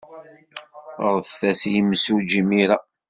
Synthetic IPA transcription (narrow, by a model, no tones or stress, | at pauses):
ɾˤθθæsjimːsud͡ʒimiɾa